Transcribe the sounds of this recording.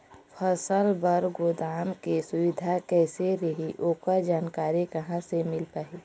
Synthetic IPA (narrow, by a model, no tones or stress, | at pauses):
pʰəsəlbəɾɡoːd̪aːmkesʊwɪd̪ʱakɛːseɾəɦiʔoːkad͡ʒaːnkaːɾikəɦãsemɪlpaːi